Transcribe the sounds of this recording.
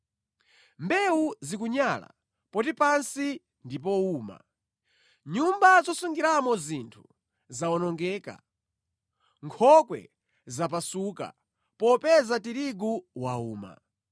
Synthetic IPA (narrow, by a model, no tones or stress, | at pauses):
mbɛuzikuɲala̰ | pɔtipansi | ndipɔuːma̰ | ɲumbazɔsuŋɡiɾamɔzintʰu̥ | zaɔnɔŋɡɛːka̰ | ŋkʰɔkwɛ̰ | zapasuːka̰ | pɔpɛzatiɾiɡuwauːma̰